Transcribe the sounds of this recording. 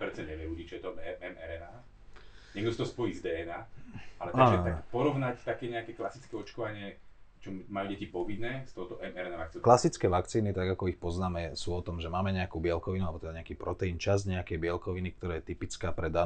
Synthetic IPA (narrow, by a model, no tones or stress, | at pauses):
pɾɛt͡saɲɛʋɪɛɾuɟit͡ʃjɛt̪ɔɛɛmɛɾɛnaː | ɲɛɡ̪ust̪ɔɦɔspɔjizd̪ɛːɛnaːalɛt̪aɡːʒɛt̪akpɔɾɔʋnact̪akɛɲɛakɛklasit͡skɛɔt͡ʃkɔʋaɲɪɛt͡ʃɔmajuːɟɛcipɔʋinːɛːst̪ɔɦʊt̪ɔʔɛmɛɾɛnaʋakt͡sinklasit͡skɛʋakt͡siːnit̪aɡakɔixpɔznaːmɛsuːɔt̪ɔmʒɛmaːmɛɲɛakuːbɪɛlkɔʋinualɛbɔt̪ɛd̪aɲɛakiːpɾɔt̪ɛint͡ʃaz̬ɲɛakɛjbɪɛlkɔʋinik̚t̪ɔɾaːjɛt̪ipit͡skaːpɾɛd̪a